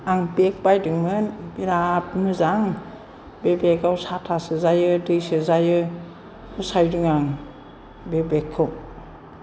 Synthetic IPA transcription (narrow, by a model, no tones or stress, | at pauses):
aŋbek̚bajdɯŋmɯnbiɾap̚nɯzaŋ | bebekawsatʰasɯzajɯdɯjsɯzajɯ | usajdɯŋaŋ | bebekʰːɯw